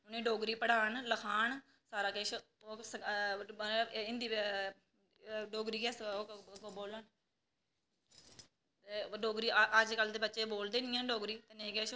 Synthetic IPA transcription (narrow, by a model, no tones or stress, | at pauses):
ʊnẽːɖoːɡɾiːpəɽaːɳləkʰaːɳ | saːɾaːkeːʃ | oːs | ɪnd̪iː | ɖoːɡɾiːɡɛːsokoboːləɳ | t̪eɖoːɡɾiːʔəd͡ʒkəld̪eːbətːʃeːboːld̪eːnɪjãːɖoːɡɾiːt̪eːnẽːkeːʃ